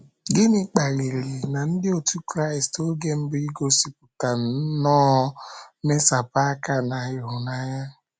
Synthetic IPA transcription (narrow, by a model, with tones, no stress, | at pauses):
ɡɪ˦nɪ˨k͡pa˨ɾi˨li˨na˨n̩˦dɪ˦o˨tu˦kɾa˦˨ɪ˨sto˦ɡe˦m̩˦bʊ˦i˦ɡo˦si˨pʊ˨ta˨n̩˨˦nɔː˦ | me˦sa˨pa˦a˦ka˦na˨ɦɪ˨ɦʊ˨na˦ɲa˦